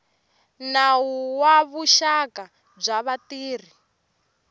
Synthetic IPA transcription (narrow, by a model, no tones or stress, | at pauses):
nawuwaβuʃaka | b͡ʐaβatiːr̤i